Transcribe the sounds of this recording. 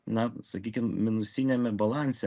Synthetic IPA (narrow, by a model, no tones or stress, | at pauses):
nɐsɐkʲiːkʲɪmmʲɪnʊsʲɪnʲɛmʲɛbɐlˠɑnʲsʲɛ